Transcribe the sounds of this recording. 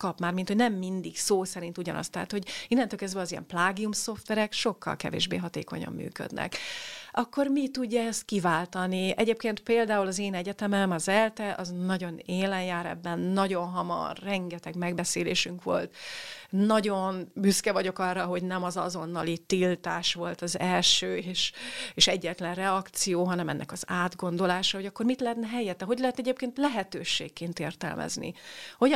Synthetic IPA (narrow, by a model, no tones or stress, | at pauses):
kɒpmaːrmint̪hoɟnɛmːind̪iksoːsɛɾint̪uɟɒ̰nɒ̰st̪ɛɦa̰t̪ho̞ɟinːɛnt̪øːlkɛzd̪bɛɒzijɛ̰mplaːɡiumso̞ft̪ʋɛɾɛkʃo̞kːɒ̰lkɛ̰vḛːʒbḛːɦɒt̪ḛːko̞̰ɲɒ̰mːy̰ːkø̰d̪nɛ̰kɒkːo̞rmit̪uɟːɒɛst̪̚kivaːlt̪ɒniɛɟeːp̚keːnt̪peːld̪aːulɒzeːnɛɟɛt̪ɛmɛmɒzɛlt̪ɛʔɒznɒɟo̞neːlɛnjaːɾɛ̰bːɛnːɒɟo̞nɦɒmɒ̰rːɛŋɡɛt̪ɛɡmɛɡbɛseːleːʃyŋkʋo̞̰lt̪nɒɟo̞nbyskɛvɒɟo̞kɒrːɒɦo̞ɟnɛmɒzɒ̰zo̞nːɒlit̪ːilt̪aːʃʋo̞lt̪ɒzɛlʃøːeːʃeːʃɛɟːɛt̪ɛlɛnrɛɒkt̪sijoːɦɒnɛmɛ̰nːʔɛ̰kɒzaːd̪ɡo̞nd̪o̞laːʃɒho̞ɟɒkːo̞rmit̪lɛɦɛt̪nɛɦɛjːɛt̪ːɛɦo̞ɟlɛɦɛt̪ɛɟeːp̚keːnt̪lɛɦɛt̪øːʃḛːkːeːnt̪eːrt̪ɛ̰lmʔɛ̰znḭho̞